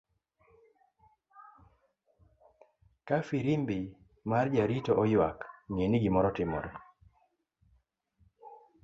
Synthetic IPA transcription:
kafiɾimbi | mard͡ʒaɾitɔʔɔjwakŋeniɡɪmɔɾɔtɪmɔ̰ɾɔ

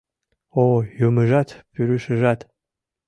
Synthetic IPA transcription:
ojomɨʒat̪ʰpʰyɾɨʃɨʒat̪ʰ

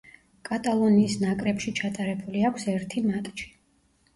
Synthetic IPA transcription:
kʼat̪ʼalˠɔniːsnakʼɾɛpʃit͡ʃʰat̪ʼaɾɛbuliakʷʰsɛɾt̪ʰimat̪ʼt͡ʃi̥

